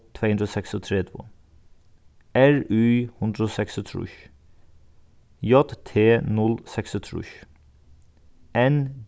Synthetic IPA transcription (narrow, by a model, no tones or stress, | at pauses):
t̪ʰʋeːhʉnd̪ɾoːsɛksɔːt̪ʰɾeːt̪ʰo̰ː | æɹʉhʉnd̪ɾoːsɛksɔt̪ʰɾṵːç | jɔt̪t̪ʰːeːnɔlsɛksɔt̪ʰɾṵːʃ | ɛn